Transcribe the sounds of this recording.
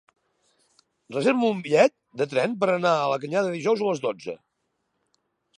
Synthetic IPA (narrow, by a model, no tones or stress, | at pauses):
rəzeɾmuːmbiʎɛt̪̚d̪ət̪ɾɛmpəɾənaələk̬əɲaðəðiʒɔwzələzðod͡zə̰